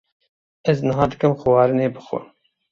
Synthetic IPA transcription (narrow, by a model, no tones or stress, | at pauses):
ɛznɨɦɑːd̪ɨkɨmxʊwɑːɾɨneːbɨxʷʊ̰